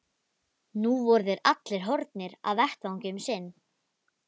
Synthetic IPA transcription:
nuvɔɾðɪɾat̪lɪɾ̥ɦɔɾt̪nɪɾa̰ðvɛht̪vawɲcɪmsɪnː

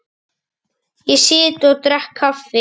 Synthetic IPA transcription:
isɪːt̪ɔt̪ɾɛhkʰːafɪ

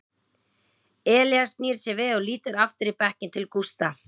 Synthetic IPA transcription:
ɛːljast̪niːɾ̥sjɛvɪðɔɣliːt̪ʏɾaft̪ʏɾipɛhcɪnt̪ʰɪlkust̪a

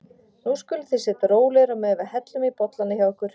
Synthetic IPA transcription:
nuskʏlθɪsɪt̪ɾoːwlɛɾamɛvahɛt̪lʏmipɔt̪lanːɪçawkʏɾ̥

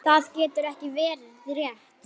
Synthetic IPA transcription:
θaðcɛːt̪ʏɾɛhcɪvɛːɾɪ | rjɛht̪

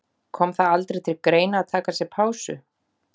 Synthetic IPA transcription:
kʰɔːmθaðalt̪ɾejt̪ʰɪlkɾeːjnaːðt̪ʰaːkasjɛpʰaːwsʏ̰

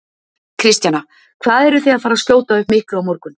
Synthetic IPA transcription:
kʰɾɪst̪jana | kʰvaːðɛɾʏθejaðfaːɾascjoːwt̪aʏhpmɪhklʏawmoɾkʏn

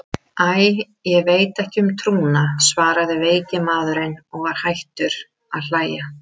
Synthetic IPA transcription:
aj | jɛɣveːjt̪ɛhcɪʏmt̪ʰɾuːnasvaːɾaðɪveːjcɪmaːðʏɾɪnɔɣvaɾ̥hajht̪ʏɾ̥ | aðl̥aːja

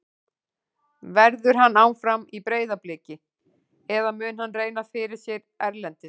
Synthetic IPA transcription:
vɛɾðʏɾ̥ɦanːawnfɾamipɾeːjðaplɪːcɪ | ɛðamʏːnhanːreːjnafɪɾɪɾ̥sjɛɾ | ɛɾlɛnt̪ɪ

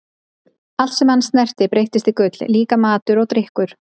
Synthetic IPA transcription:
al̥t̪sɛmhanːst̪nɛr̥t̪ɪpɾejht̪ɪst̪ikʏt̪lliːkamaːt̪ʏɾɔɣt̪ɾɪhkʏɾ̥

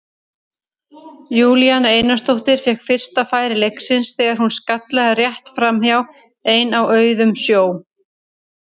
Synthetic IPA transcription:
juːlijaneːjnast̪owht̪ɪɾ̥fɛkfɪr̥st̪afaːjɾɪlejksɪnsθɛːɣaɾhunskat̪lɛɣarjɛht̪fɾamhjaw | eːjnawœːɥðʏmsjoːw

